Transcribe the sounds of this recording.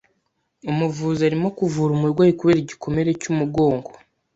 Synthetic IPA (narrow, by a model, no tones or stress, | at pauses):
umuvuːzaɾimo̞kuvuːɾumuɾɡwaːjikuβeɾiɟikʰo̞me̞ɾecumuɡo̞ːŋɡo̥